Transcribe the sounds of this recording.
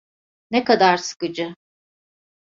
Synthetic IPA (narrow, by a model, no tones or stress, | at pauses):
nekad̪aɾsɯ̥kɯd͡ʒɯ